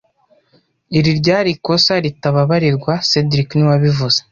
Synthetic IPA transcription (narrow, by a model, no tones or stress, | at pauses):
iɾiɾɟaːɾiko̞saɾitaβaβaɾiɾɡwasedɾiknuwaβivuz̥e